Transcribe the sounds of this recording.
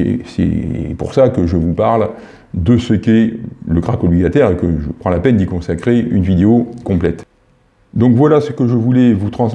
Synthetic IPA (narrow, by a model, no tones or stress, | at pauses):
sɛ̰pṵʁsakəʒəvupaʁl | d̪əsəkʲɛləɡʁakɔbliɡat̪ɛʁekəʒəpχɑ̃lapɛnd̪ikɔ̃sakχeynvid̪eokɔ̃plɛt̪ | d̪ɔ̃kvwalasəkəʒəvulɛvut̪χɑ̃s